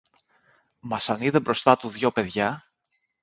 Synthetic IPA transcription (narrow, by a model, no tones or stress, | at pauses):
mɐsɐniðe̞bɾo̞st̪ɐt̪uðʝo̞pe̞ðʝɐ